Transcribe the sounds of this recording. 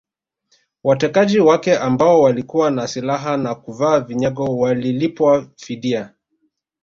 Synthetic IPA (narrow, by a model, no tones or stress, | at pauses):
watɛkaʄiwakɛʔambaɔwalikuwanasilaɦanakuvaːviɲɛɡɔwalilipwafiɗia